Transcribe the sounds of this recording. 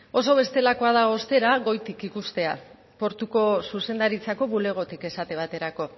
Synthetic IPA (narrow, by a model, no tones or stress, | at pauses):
o̞so̞β̞e̞st̪e̞lako̞að̞ao̞st̪e̞ɾaɣo̞jt̪ikikust̪e̞a | po̞ɾt̪uko̞suse̞nd̪aɾit͡sako̞βule̞ɣ̞o̞t̪ike̞sat̪e̞β̞at̪e̞ɾako̞